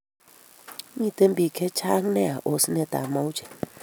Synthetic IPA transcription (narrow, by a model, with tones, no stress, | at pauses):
mi˦˨te˦m̩˦bi˨kʰe˦t͡ʃa˦ŋ˦ne˦a˨ʔo˨si˦ne˦˨ta̰˨ma˦wu˦t͡ʃe̥˨